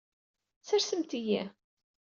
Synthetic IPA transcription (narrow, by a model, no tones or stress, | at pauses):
sæɾsəmt̪ijæ